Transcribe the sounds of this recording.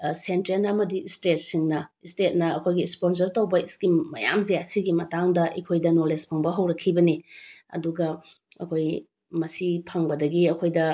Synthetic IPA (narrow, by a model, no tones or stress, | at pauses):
senteɾnɐmɐdistet̚siŋnɐistet̚nɐɐkʰojɡispons̬ɐɾtɐwbɐiskimːɐja̰mzejasiɡimɐtaŋdɐʔḭkʰojdɐnolespʰɐŋbɐɦɐwɾɐkʰːibɐniɐ̰duɡɐ | ɐ̰kʰoj | mɐsipʰɐŋbɐdɐɡiɐkʰojdɐ